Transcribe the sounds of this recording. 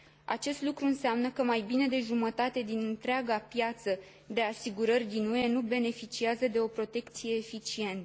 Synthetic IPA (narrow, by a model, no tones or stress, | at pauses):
a̰t͡ʃe̞st̪lukɾuɨnsamnəkəmajbine̞d̪e̞ʒumət̪at̪e̞d̪inɨnt̪ɾeaɡapjat̪sə | d̪e̞asiɡuɾərʲd̪inuenube̞ne̞fit͡ʃiazəd̪e̞o̞pɾo̞t̪e̞kt̪sije̞ːfit͡ʃie̞nt̪ə